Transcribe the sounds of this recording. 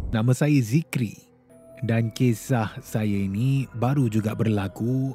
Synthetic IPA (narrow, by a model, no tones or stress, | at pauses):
nãməsajəzikɾḭ | dankesahsajainĩbaɾud͡ʒuɡaʔbərlaku